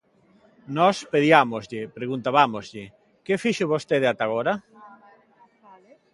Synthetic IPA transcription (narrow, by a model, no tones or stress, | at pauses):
nɔspeðjamozʎɪpɾeɣunt̪aβamozʎɪ | kefiʃʊβost̪eðɪat̪aɣ̞oɾɐ